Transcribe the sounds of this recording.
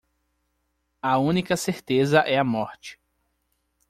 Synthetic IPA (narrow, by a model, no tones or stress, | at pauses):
ɐũnikɐseɾt̪ezɐʔɛɐmɔɾt͡ʃɪ̥